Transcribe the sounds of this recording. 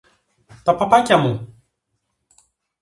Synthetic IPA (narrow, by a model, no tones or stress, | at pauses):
t̪ɐpapacʲamu